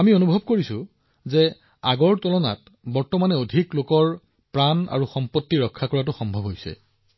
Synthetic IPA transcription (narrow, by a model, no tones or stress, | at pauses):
amionubʱɔb̚koɹisʊ | zɛ | aɡɔɹtɔlɔna̰t | bɔɹtɔmanɛodʱiklokɔɹ | pɹana̰ɹuxɔmpotːiɹɔkʰːakɔɹat̬ʊxɔmbʱɔbʱɦojsɛ̰